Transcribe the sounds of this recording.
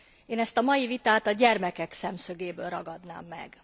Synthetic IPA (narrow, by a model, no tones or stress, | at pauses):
eːnɛst̪ɒmɒjivit̪aːt̪ɒɟɛrmɛkɛksɛmsøɡeːbø̰ːlrɒɡɒd̪na̰ːmːɛ̰ɡ